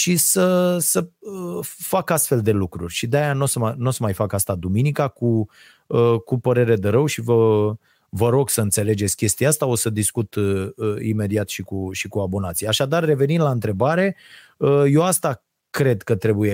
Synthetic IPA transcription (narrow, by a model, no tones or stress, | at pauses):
ʃisəsəəfakast̪fe̞ld̪e̞lukɾurʲʃid̪eajano̞səmano̞səmajfakast̪ad̪uminikaku | əkupəɾe̞ɾe̞d̪e̞ɾəwʃivə | vəɾo̞ɡsəɨnt̪se̞le̞d͡ʒe̞t̪sʲkʲe̞st̪iaast̪ao̞səd̪iskut̪əḭme̞d̪iat̪ʃikuʃikuabo̞nat̪sijeaʃad̪arːe̞ve̞nind̪laɨnt̪ɾe̞baɾe̞ | əjo̞ast̪a | kɾe̞d̪kət̪ɾe̞buje